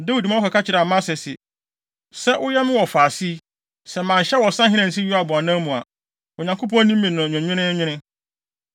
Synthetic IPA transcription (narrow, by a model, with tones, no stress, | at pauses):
da˦wi˨dmã˦ʊ˦ka˨kʰa˦t͡ɕʰɪ˨ɾa˨mã˦sɛ˨sɪ˨ | sɛ˦ʔʊ˦jɛ˦mɪ̃˦wɔ˨faː˨si˦ | sɛ˨mã˨ɲ˨ɕɛ˦wɔ˨sã˦ɦɪ̃˦nã˨n̩˨s̬i˦ju˦a˨bʊ˨a˨nã˦mũ˨a̰˨ | ʊ˨ɲã˨ŋkʰo˦p̬ɔ̃˦nĩ˦mː˦ĩ˨nʊ̃˨ɲᶣʊ̃˨ɲᶣɪ̃˦nɪ̃˦ɲᶣɪ̃˦nɪ̃˦